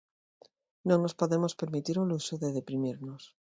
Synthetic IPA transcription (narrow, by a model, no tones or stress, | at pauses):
noŋno̞spo̞ðe̞mo̞spe̞ɾmit̪iɾolusoðe̞ð̞e̞pɾimiɾnos